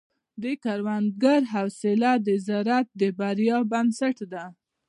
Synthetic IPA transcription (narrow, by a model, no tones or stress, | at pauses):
d̪əkaɾwand̪ɡaɾɦawsɪlad̪əzaɾat̪̚d̪əbaɾjɑbansaʈd̪a